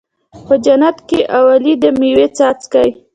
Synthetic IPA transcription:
pəd͡ʒanat̪keʔawalid̪əmiwet͡sat͡skaj

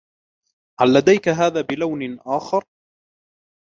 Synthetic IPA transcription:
ʕalːad̪ajkaɦaːðaːbɪlawnɪnʔaːxɑɾˤ

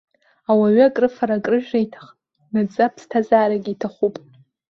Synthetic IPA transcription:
awaɥakʼrɨfaɾakʼrɨʒᶣaitʰḁχʼ | nad͡zʼapʰstʰazaːɾaɡʲiːtʰaχʷupʼ

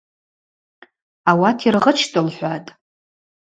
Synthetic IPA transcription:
awatʰirʁət͡ʃʰtʼɨlħʷatʼ

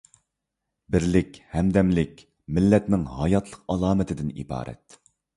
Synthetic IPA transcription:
bɪɾlɪkʲhɛmd̪ɛmlɪkʲ | mɪlːɛt̪nɪŋɦɑjɑt̪ʰlˠəqɑlˠɑːmɨt̪ʰɪd̪ɪnḭbɑ̰ːɾʔɛ̰t̪̚

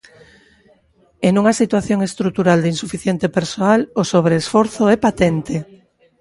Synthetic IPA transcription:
enũŋasit̪waθjoŋest̪ɾut̪uɾald̪einsufiθjent̪epeɾsoalosoβ̞ɾeːsfɔɾθoɛpat̪ɛnt̪e

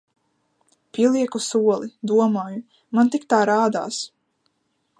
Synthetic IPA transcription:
pʲiɛlˠiɛkusuɔlˠid̪uɔmɔːju | mant̪ikt̪aːɾaːd̪a̰ːs

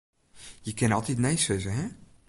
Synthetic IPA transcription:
jəkɪnɔlˠtitnɛjsøzəɦɛ

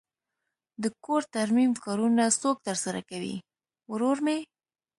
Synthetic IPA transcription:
d̪əkoɾt̪aɾmimkɑɾunasok̚t̪əɾsaɾa̰kawḭ | wɾoɾme

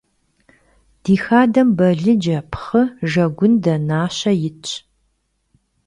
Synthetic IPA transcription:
d̥iːxaːdɐmbɐɮɨd͡ʒɐpʰχəʒɐɡʷʊndɐnaːɕɐjɪt͡ʃʼ

